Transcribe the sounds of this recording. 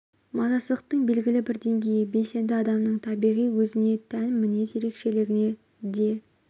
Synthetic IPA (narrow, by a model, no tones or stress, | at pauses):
mɑnɑsəlˠəq̚t̪əɴbe̞lɡʲɪlɪbɪɾd̪e̞ŋɡʲe̞jɪbe̞se̞nd̪ɪɑd̪ɑmnəɴt̪ʰɑbijʁijwɵzɪne̞t̪ʰænmɪne̞ze̞ɾe̞kʃe̞lɪɡʲɪne̞ | d̪e̞